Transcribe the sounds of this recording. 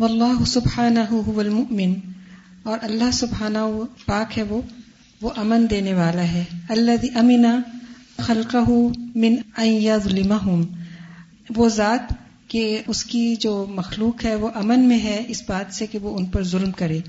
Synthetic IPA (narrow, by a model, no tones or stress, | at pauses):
wɐlˤːaːɦʊsʊbħaːnɐɦʊɦʊʋɐlmʊʔmɪn | ɔːɾʔɐlːaɦsʊbħaːnɐɦpaːkɦɛʋo | ʋoʔɐmənd̪eːneʋaːlaɦɛɐlːɐðiːʔɐmɪnaxɐlqɐɦʊmɪ̃nɐ̃njɐðˤlɪmaɦʊm | ʋozaːt̪ | keʊskid͡ʒoːmɐxluːqɦɛʋoʔɐmənmẽɦɛɪsbaːt̪sekeʋoʊnpɐɾzʊlmkɐɾeː